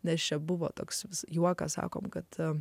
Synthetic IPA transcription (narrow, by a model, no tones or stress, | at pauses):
nʲɛst͡ʃʲɛbʊʋo̰ːt̪oːksʋʲɪsjuɔkɑsɑ̰ːkoːmkɐt̪